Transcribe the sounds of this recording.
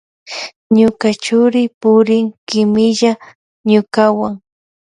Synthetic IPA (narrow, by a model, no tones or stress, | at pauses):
ɲʊkat͡ʃʊɾɪpʊɾɪŋkɪmɪʎa | ɲʊkawaŋ